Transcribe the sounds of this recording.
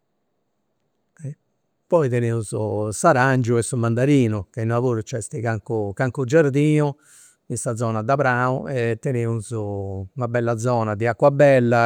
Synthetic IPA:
ɛ | pːɔit̪ɛneːuzʊsaɾand͡ʒuɛsumand̪aɾiːnukeinlavoːɾut͡ʃɛst̪ikaŋkukaŋkud͡ʒaɾd̪iːnu | insad̪zɔːnad̪apɾaːuɛt̪ːɛneuzumabɛlːad̪zɔːnad̪iakwabɛlːa

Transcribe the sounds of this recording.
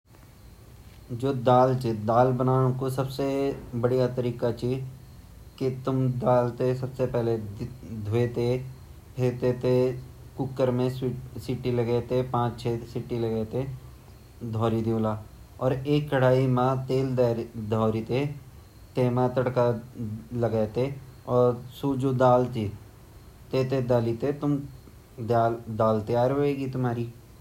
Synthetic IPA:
d͡ʒoːd̪aːlt͡ʃed̪aːlbənaːɽ̃kosɐbsebəɽijat̪əɾiːkat͡ʃiː | kit̪ʊmd̪aːlt̪esɐbsepɛɦled̪ʱʊet̪e | pʰeːt̪et̪e | kʊkːəɾmẽsɪʈːilɐɡɛt̪epãːt͡ʃt͡ʃʰeːsɪʈːilɐɡɛːt̪e | d̪ʱɔːɾid̪ilaː | ɔːɾeːkːəɽ̤aːimãt̪eːld̪d̪ʱɔːɾit̪e | t̪eːmãt̪əɽka | ləɡɛt̪eɔːɾsud͡ʒoːd̪aːlt̪i | t̪eːt̪ed̪aːlit̪et̪ʊm | d̪aːld̪aːlt̪ejaːɾɦoːeːɡit̪ʊmɦaːɾiː

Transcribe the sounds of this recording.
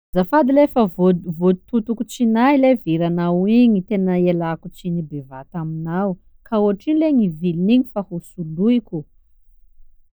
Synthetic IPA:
zafad̪ilefəvvot̪ut̪ukut͡ʃinajleviɾanaiɲit̪enəelakut͡ʃinibevat̪aminaw | kauaʈ͡ʂinleɲiviliniɲifahusuluikʲu

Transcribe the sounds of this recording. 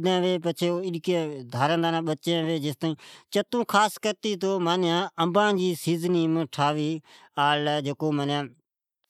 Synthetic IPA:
d̪ãːʋeːp̬ət͡ʃʰeːoːɪɗkẽd̪ʱaːɾə̃nd̪aːnãːɓət͡ʃãːʋeːd͡ʒɪst̪aːĩːt͡ʃət̪ũːkʰaːskəɾt̪iːt̪̬oːmaːnjãːəmbãːd͡ʒiːsiːzniːmə̃ʈʰaːʋiː | aːlːd͡ʒeːkoːmaːnjãː

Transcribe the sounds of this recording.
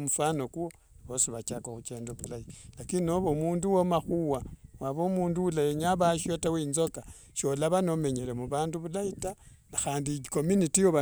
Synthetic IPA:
mufano̞kuwo | βosiβat͡ʃakaxut͡ʃe̞ːndokulailakino̞βomuːnduwomaxuwawaβomuːnduwulajeɲaβaʃotawiːnzo̞ka | ʃo̞laβanome̞ɲe̞le̞muβaːnduβulaitanaxaːndiiko̞munitijoβa

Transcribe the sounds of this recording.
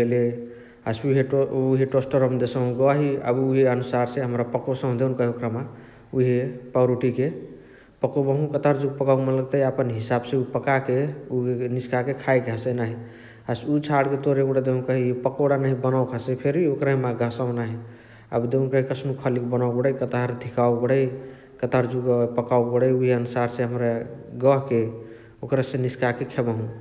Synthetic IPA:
ele | asuɦeuɦeʈosʈəɾəmd̪esə̃ɡaɦiə̰buɦeənusaɾseɦəmɾapəkosə̃m̃d̪eunkəɦiokɾama | uɦepaɾuʈike | pəkobəɦũkət̪aɾd͡ʒuɡ̚pəkaumeləɡt̪əapənɦisabsẽupəkakeuniskakekʰajkasenaɦi | asut͡ʃʰaɽket̪oɾeboɽad̪eɦũkəɦipəkoɽanaɦibənawkʰasəpʰeɾiokɾaɦimãɡʱəsawnaɦi | a̰bd̪eɦũkəɦikəsʰnukʰəlikbənawbəɽəjkət̪aɾd̪ʱikawbəɽəj | kət̪aɾd͡ʒuɡpəkawbəɽəjuɦiənusaɾseɦəmɾaɡəɦke | okɾasẽniskakekʰebəɦũ

